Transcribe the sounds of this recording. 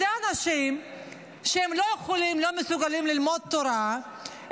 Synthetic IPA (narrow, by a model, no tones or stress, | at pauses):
eanaʃim | ʃehemlo̞jeχolimlo̞mesuɡalimlilmo̞d̪̚t̪ːoɾa